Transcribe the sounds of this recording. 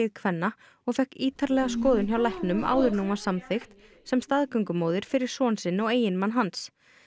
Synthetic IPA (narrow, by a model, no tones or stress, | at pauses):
ɪðkʰvɛnːa | ɔɣfɛhkiːt̪ʰaɾlɛɣaskɔːðʏnçjawlajhknʏma̰ːwðʏɾnuːmasamθext̪ | sɛmst̪aðkœɥŋkʏmoːwðɪɾ̥fɪɾɪɾ̥sɔːnsɪnɔɣeːjɪnmanɦans